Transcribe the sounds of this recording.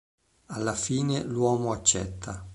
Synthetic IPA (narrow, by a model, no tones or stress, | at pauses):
alːafiːnelwɔːmoat͡ʃːɛ̰t̪ʰːa